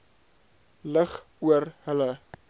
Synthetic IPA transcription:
ləχ | uərhələ

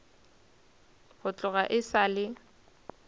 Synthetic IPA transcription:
ɣʊt͡ɬʼʊɣaʔɪsalɪ

